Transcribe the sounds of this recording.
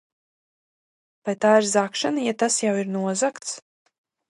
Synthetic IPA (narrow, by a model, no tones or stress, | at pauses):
pajt̪aːiɾzakʃanajat̪asjawiɾnuɔzakt̪s